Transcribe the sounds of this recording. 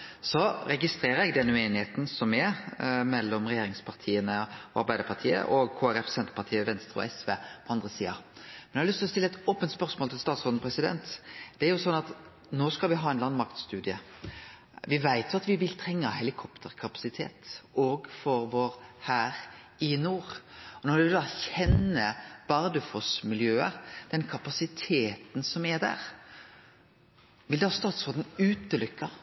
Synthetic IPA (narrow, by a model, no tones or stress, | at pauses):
sɔɾɛɡɪst̪ɾeːɾəɾɛɡd̪ɛnːəʉeːnɪheːt̪n̩sɔmɛmɛlːɔmʁɛjeːɾɪŋspʰɑʁt̪ʰiːənəɔɑ̰ɾbæɪd̪əɾpʰɑʁt̪ʰiːə̰ʔɔɡkʰoːæɾɛfsɛnt̪əɾpɑʁt̪ʰiːəʋɛnst̪ɾəɔ̰ɛsʋḛːpʰɔɑnd̪ʁəsiːɑmɛnɛhɑlʏst̪ʰlɔst̪ɪlːɛt̪oːpənt̪spœɾsmoːlt̪ʰɪlst̪ɑːt̪sʁɔd̪n̩pʰɾɛsɪd̪ɛ̰nt̪d̪̥ɛæɾjʊsɔnːɑt̪ | noːskɑlʋɪɦɑːɛnlɑnmɑkt̪st̪ʉːd̪ɪə | ʋɪʋæɪt̪ʰjʊɑt̪ʋɪʋɪlt̪ʰɾɛŋːəhɛlɪkʰɔpt̪ʰəʁkʰɑpɑ̥sɪt̪ʰḛːt̪oːɡfɔɾʋoːɾhæːɾ | ɪnuːʁɔnɔɾd̪ɪd̪ɑçɛnːəb̥ɑɾd̪əfɔsmɪljøːəd̪̥ɛnkʰɑpɑsɪt̪ʰeːt̪n̩sɔmɛɾd̪æ̰ːʁ | ʋɪld̪hɑːst̪ɑːt̪sɔd̪n̩ʉːt̪əlʏkːɑ